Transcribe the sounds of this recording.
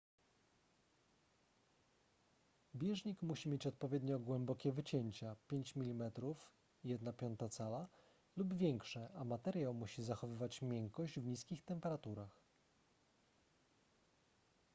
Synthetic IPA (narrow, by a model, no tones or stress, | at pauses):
bʲjɛʐɲikmuɕimʲjet͡ɕɔt̪̚pɔvʲjɛd̪ɲɔɡwɛmbɔkʲɛvɘt͡ɕeɲt͡ɕapʲjeɲt͡ɕmʲilʲimɛt̪ɾuf | jɛd̪napʲjɔnt̪at̪sala | lubvʲjɛŋkʂɛʔamat̪ɛɾjawmuɕizaxɔvɘvat͡ɕmʲjɛŋkɔʑd͡ʑvɲiskʲixt̪ɛmpɛɾat̪uɾax